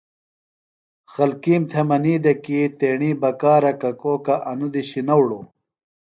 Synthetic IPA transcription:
xɐlkiːmt̪ʰemɐniːd̪ɐkit̪eːɳiːbɐkaːɾɐkɐkoːkɐʔɐnud̪iɕinɐwɽoː

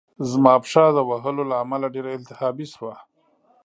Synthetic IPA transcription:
zmɑpʂɑd̪əwaɦəlolaːmalaɖeɾaɪnt̪ɪhɑbiswa

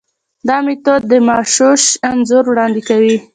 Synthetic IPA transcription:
d̪ɑmit̪od̪ːəmɑʃoʃanzʊɾwɽɑnd̪ɪkawi

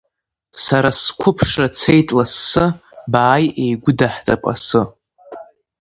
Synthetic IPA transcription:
saɾaskʷʰʊpʰʂat͡sʰejtʼlasːɨbaːjejɡʷʊdaħt͡sʼapʼa̰sɨ

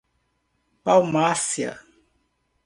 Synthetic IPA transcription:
pawmasiɐ̰

